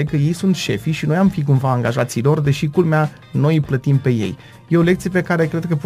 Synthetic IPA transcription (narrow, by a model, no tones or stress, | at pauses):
ekəje̞jsunt̪ʃe̞fiʃinojamfik̬umvaːŋɡaʒat̪silo̞rd̪e̞ʃikulmea | no̞jplət̪impe̞je̞̰j | je̞o̞lekt̪sijepe̞kaɾe̞kɾe̞d̪̚kəpu